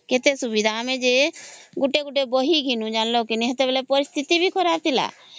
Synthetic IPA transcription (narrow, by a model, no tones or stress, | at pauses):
ket̪esubid̪ʱaamẽd͡ʒeɡuʈeɡuʈeboɦiɡʱinũd͡ʒanlokiniɦet̪ebelepɔɾist̪ʰit̪ibʱikɔɾaɾt̪ʰila̰